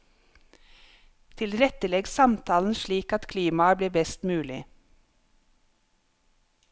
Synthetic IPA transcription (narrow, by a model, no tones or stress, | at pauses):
t̪ʰɪlɾɛt̪əlɛɡsɑmt̪ʰɑːln̩ʃɭiːkɑt̪kʰliːmɑbliːbɛst̪mʉːlɪ